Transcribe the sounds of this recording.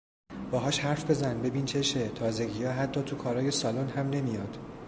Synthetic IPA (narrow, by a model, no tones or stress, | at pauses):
b̥ɒːɦɒːʃhæɾfbe̞zænbe̞bint͡ʃʰe̞ʃe̞t̪ʰɒːze̞ɟijɒːɦæt̪ʰːɒːt̪ʰukʰɒːɾɒːje̞sɒːlonhæmne̞mijɒːd̪̥